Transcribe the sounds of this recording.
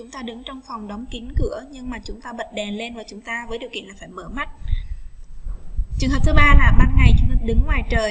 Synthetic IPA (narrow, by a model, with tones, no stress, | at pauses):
t͡ɕʊ˨˦ŋ͡mt̪aː˧ɗɨ˨˦ŋt͡ɕɔ˧wŋ͡mfɔ˨˩wŋ͡mɗɔ˨˦wŋ͡mki˨˦nkɨ˧˩əɲɨ˧ŋmaː˨˩t͡ɕʊ˨˦ŋ͡mt̪aː˧ɓə˨˩t̚ɗɛ˨˩nle˧nvaː˨˩t͡ɕʊ˨˦ŋ͡mt̪aː˧vəː˨˦jɗi˨˩əwkḭ˧˨ənlaː˨˩faː˧˩jməː˧˩ma˦˥t̚ | t͡ɕɨ˨˩əŋəː˨˩p̚t̪ɨ˨˦ɓaː˧laː˨˩ɓa˨˧˩n̚ŋa˨˩jt͡ɕɨ˨˩əŋhəː˨˩ɗɨ˨˦ŋŋwaː˨˩jt͡ɕəː˨˩j